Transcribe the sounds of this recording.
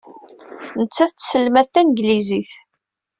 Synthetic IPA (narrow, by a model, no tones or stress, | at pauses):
nət͡sːæθt͡ssəlːmæt̪ːænɡliziθ